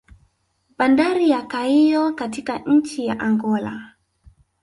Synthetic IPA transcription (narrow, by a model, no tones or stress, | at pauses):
bandaɾijakaijɔkatikaɲ̩t͡ʃija̰ʔaŋɡɔla̰